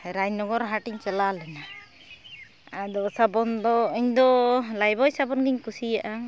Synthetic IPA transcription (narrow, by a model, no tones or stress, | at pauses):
ɾaɲnɔɡɔɾɦaʈiɲt͡ʃɔlalɛna | ad̪ɔsabɔnd̪ɔiɲd̪ɔlajbɔjsabɔnɡiɲkusijaʔa